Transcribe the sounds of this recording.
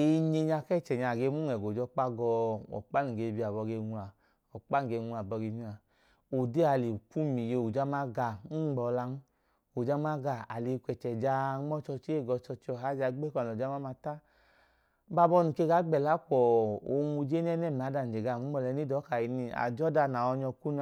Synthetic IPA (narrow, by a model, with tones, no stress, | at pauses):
e˧˨ɲe˧ɲa˧kɛ˦˨t͡ʃɛ˨ɲa˧˨ɡe˧mu˦ŋɛ˨ɡo˨d͡ʒɔ˧˦k͡pa˧ɡɔ˧ɔ̰˨k͡pa˦nu˨ɡe˧˨bi˧˦a˨bɔ˧ɡe˧ŋʷu˧a˨ | ɔ˨k͡pa˦n˨ɡe˧ŋʷu˧a˨bɔ˧ɡe˧mi˦a˨ | o˨de˦a˧˨li˨ku˦mi˨je˧u˨d͡ʒa˦ma˦ɡa˧˨˦ɡ͡bɔ˧la˧n˦ | o˨d͡ʒa˦ma˦ɡa˧˨a˨li˧kʷɛ˨t͡ʃɛ˨d͡ʒa˧˦ɔ˦t͡ʃɔ˧t͡ʃi˦e˦˨ɡɔ˧t͡ʃɔ˧t͡ʃi˦ɔ˧˨ɦa˨˦d͡ʒa˧˦ɡ͡be˦kʷa˨ɔ˨d͡ʒa˦ma˦ma˧ta˦ | ba˧˨bɔ˧˦nu˨ke˧˦ɡa˨˦ɡ͡bɛ˨la˨˦kɔ˨o˧˦˧ŋu˧d͡ʒe˦n˦ɛ˦nɛ˦˨m˨a˨˦da˧n̩˨d͡ʒe˨ɡa˧˨u˦ɔ˧lɛ˧ni˦dɔ˨˦ka˨ji˧ni˧a̰˨d͡ʒɔ˦da˧˨na˨ɔ˧ɲɔ˧ku˦n˧